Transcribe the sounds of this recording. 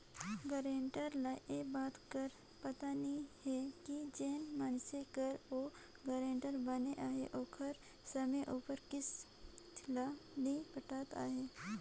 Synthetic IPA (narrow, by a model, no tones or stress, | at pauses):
ɡɐɾẽːɳʈəɾlaʔebaːt̪kɐɾ | pɐt̪anihɛkid͡ʒeːnmaːnsekɐɾo | ɡɐɾẽːɳʈəɾbɐneʔaːɦeʔoːkʰɐɾ | sɐmẽʔuːpəɾkɪs | lanipɐʈ̪aːt̪a̰ːɦeː